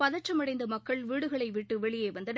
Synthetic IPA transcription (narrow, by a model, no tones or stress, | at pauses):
ɐðɐʈʈt͡ʃːɐmɐɽɐɪnd̪ɐmɐkːɐɭʋiːɽɯɣɐɭɐɪʋɪʈːɯʋɛɭɪjeːʋɐnd̪ɐn